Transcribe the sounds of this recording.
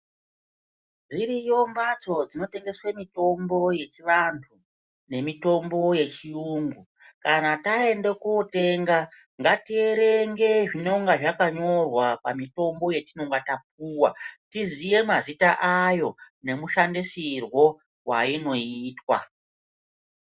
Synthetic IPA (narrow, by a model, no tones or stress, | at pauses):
d͡ziɾijo̞mbat͡so̞d͡zino̞te̞ŋɡe̞swemito̞mbo̞je̞t͡ʃiʋantʰu | ne̞mito̞mbo̞je̞t͡ʃiuːŋɡu | kanatae̞nde̞kuote̞ːŋɡa | ŋɡatie̞ɾe̞ŋɡe̞ʐino̞ŋɡaʐakaɲo̞rwapamito̞mbo̞je̞tino̞ŋɡatap̚uːwatizije̞mazitaʔajo̞ | ne̞muʃandisirwo̞ | waino̞itwa̰